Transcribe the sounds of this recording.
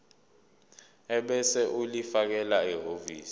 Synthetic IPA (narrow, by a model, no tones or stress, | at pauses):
ɛɓɛsɛʔulifak̬ɛlaiɦoviːsi̥